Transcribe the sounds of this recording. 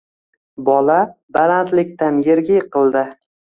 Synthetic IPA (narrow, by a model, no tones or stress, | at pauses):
bɒlabalant̪lɪkʲt̪anjeɾɡʲɪjqɨlˠd̪ɪ